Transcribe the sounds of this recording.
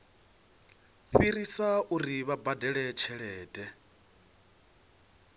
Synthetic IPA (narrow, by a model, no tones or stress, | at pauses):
ɸiɾisaʔuɾiβabadɛɺɛt͡ʃʰɛɺɛːdʼɛ